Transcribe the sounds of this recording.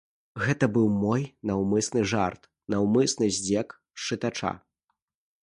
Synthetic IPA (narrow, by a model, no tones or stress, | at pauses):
ɣɛt̪ɐbɨwmɔjnawmɨsnɨʐa̰rt̪ | nawmɨsnɨzʲd͡zʲɛk | ʂt͡ʂɨt̪at͡ʂa̰